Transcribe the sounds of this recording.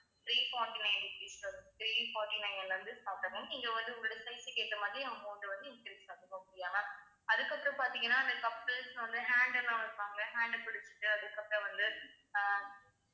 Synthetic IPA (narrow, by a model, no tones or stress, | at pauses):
t̪ɾiːfoːɾʈinɐntiːsɐnt̪ɾiːfoːɾʈinɐɪnɛɾɐnd̪ɯsaːpɾɐmɯ̃ɪŋɡeːʋɐnd̪ɯʊŋɡɽɯɽesɐɪsɪkːeːt̪ːɐmaːðɾiɐɐmpoːnd̪ɯʋɐnd̪ɯɪnkɾiʈsaːkːɐŋɐmʊɽɪjaːlɐ̃ | ɐðɯkːɐpːɯɾɐ̃paːɾt̪ĩŋɡɐnːaːɐnd̪ɐkːɐpːɾesʋɐnd̪ɯɦaːɳɖɛlːãːʋɐd̪ɯtaːŋɡɐɦaːɳɖpɪɽɪt͡ʃːɯ̥ʈːɯɐðɯkːɐpːɪɾɐ̃ʋɐnd̪ɯ